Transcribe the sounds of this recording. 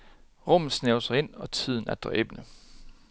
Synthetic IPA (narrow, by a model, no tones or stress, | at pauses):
ʁɔmð̩ˠsneʊsɐe̝n̰ɒ̽t͡sʰið̞̰ˠn̩æɐd̥ʁɐʔeb̥nə